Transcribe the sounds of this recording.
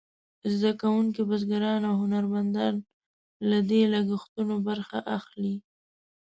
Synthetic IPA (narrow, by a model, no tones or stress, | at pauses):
zd̪akawuŋk̬ibazɡaɾɑnawɦʊnaɾmand̪ɑn | lad̪elaɡɪxt̪unobaɾxaʔaxli